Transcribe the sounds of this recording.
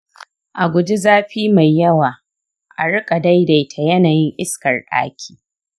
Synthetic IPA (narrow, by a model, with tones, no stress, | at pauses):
ʔa˨ɡʷʊ˦d͡ʒi˦zaː˦ɸiː˦ma˨jːɐ˦waː˨ | ʔa˨ɽɪ˦kʼa˨da˦jda˨jtʰa˨jɐ˦naː˨jɪ˦ŋʔɪ˦skɐ˨rɗa̰ː˦kʲʰi̥ː˦˨